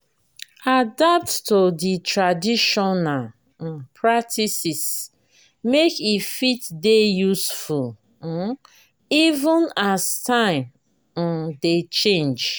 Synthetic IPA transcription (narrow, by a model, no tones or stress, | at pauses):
adap̚ttoditʰɹadiʃɔnal̩ | pʰɹak̚tʰisis | mekifitdejusful̩ | ivə̃nastãɪ̃m̩ | det͡ʃẽnd͡ʒ